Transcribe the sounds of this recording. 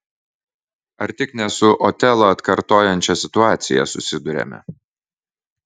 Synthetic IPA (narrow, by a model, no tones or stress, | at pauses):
ɐɾt̪ʲɪknʲɛsʊʔɔt̪ʲɛlˠɐɐt̪kɐɾt̪oːjɛnʲt͡ʃʲɛsʲɪt̪ʊɑːt̪sʲɪ̰jɛ̰sʊsʲɪd̪ʊɾʲɛ̰mʲɛ̰